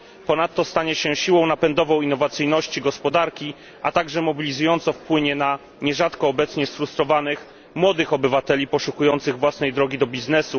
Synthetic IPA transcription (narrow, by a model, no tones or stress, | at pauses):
pɔnat̪ːɔst̪aɲɛɕɛɕiwɔ̃w̃napɛnd̪ɔvɔ̃w̃inːɔvat̪sɘjnɔɕt͡ɕiɡɔspɔd̪aɾkʲi | ʔat̪aɡʐɛmɔbʲilʲizujɔnt̪sɔfpwɘɲɛna | ɲɛʐat̪kɔːbɛt̪sɲɛsfɾust̪ɾɔvanɘx | mwɔd̪ɘxɔbɘvat̪ɛlʲipɔʂukujɔnt̪sɘɣvwasnɛjd̪ɾɔɡʲid̪ɔbʲiznɛsu